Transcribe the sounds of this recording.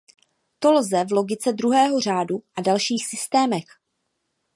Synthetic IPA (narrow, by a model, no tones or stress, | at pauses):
t̪o̞lzɛvlo̞ɡɪt͡sɛd̪ɾuɦɛːɦo̞r̝aːduʔadalʃiːxsɪst̪ɛːmɛx